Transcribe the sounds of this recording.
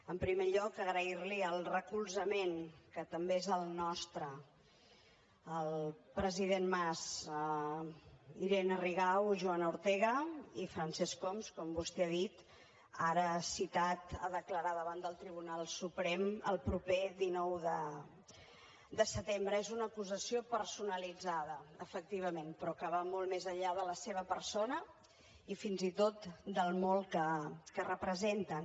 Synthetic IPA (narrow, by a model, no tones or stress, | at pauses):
əmpɾimeʎɔkəɣɾəiɾliəlˠrəkulˠzəmenkət̪əmbeezəlˠnɔst̪ɾə | əlˠpɾəziðenmaz | iɾenəriɣawʒuanuɾt̪ɛɣəifɾansɛskɔmskɔmbust̪eaðit̪ | aɾəsit̪at̪a̰ðəkləɾaðəβand̪əlˠt̪ɾiβ̞unalˠsupɾɛmə̰lˠpɾupeðinɔwðə | d̪əsət̪embɾəezunəkuzəsiopəɾsunəlid͡zaðəəfək̚t̪iβ̞əmenpɾɔkəβamɔlˠmezəʎʎːaðələseβ̞əpərsonə | ifinzit̪ot̪d̪əlˠmɔlˠkəkərəpɾəzent̪ə